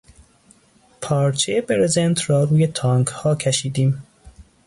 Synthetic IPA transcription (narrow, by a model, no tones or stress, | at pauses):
pʰɒːɾt͡ʃʰejebeɾezent̪ʰɾɒːɾuːjet̪ʰɒːŋɡhɒːcʲʰæʃiːd̪iːm